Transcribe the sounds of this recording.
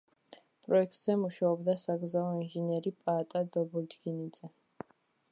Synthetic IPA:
pʼɾɔɛkʰt̪ʼz̥ɛmuʃaɔbd̪asaɡɾzaɔinʒɛniɛɾipʼaːt̪ʼad̪ɔbɔld͡ʒɡinid̪z̥ɛ

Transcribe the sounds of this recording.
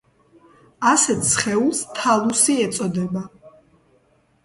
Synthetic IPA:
asɛt̪ʰsχɛulˠst̪ʰalˠusiɛt̪sʼɔd̪ɛba

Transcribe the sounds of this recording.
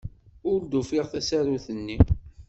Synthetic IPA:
ʊɾd̪ufiʁθæsaɾuθənːi

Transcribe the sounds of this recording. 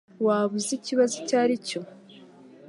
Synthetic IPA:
waβuziciβazocaːɾico̞

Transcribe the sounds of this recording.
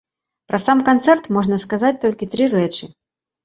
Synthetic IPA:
pɾʔɐsamkant̪sɛrt̪mɔʐnɐskazat͡sʲt̪ɔlʲkʲit̪ɾɨɾɛt͡ʂɨ

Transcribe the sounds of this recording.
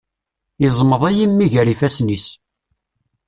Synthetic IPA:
izˤməðˤæjimːiʝəɾifæsnis

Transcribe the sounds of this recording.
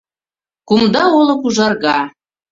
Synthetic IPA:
kumd̪ɑolɤ̆kuʒɑrɣɑ

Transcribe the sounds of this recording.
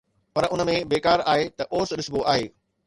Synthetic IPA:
pɐɾʊnə̆mẽbeːkaːɾaːɦet̪ɐʔoːsɗɪsboʔaːɦeː

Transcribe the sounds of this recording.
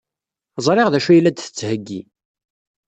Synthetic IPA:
zˤɾˤeʁðæʃujlːæd̪θə̥t͡sːhəɡːi

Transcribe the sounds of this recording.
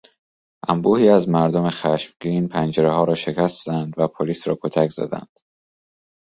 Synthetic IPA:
ʔæmbuːhiːæzmæɾd̪ome̞xæʃmɟiːnpʰænd͡ʒeɾeɦɒːɾɒːʃe̞cʰʲæst̪ænd̪væpʰoliːsɾɒ̰ːkʰot̪ʰækz̥æ̰d̪æ̰nd̪̥

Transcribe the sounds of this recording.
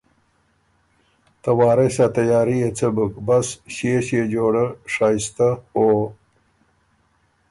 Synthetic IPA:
t̪ɐwaːɾesat̪ɐjaːɾiet͡səbukbɐsɕieɕed͡ʑoːɽəʂaːjist̪ao

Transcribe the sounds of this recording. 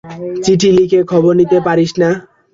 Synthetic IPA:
t͡siʈʰilikʰekʰɔbɔɾnit̪epaɾisna

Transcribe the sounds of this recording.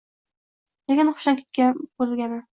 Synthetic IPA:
leɡʲanχʊ̥ʃamkʲe̥t̪̚kʲabolɡʲanɪ

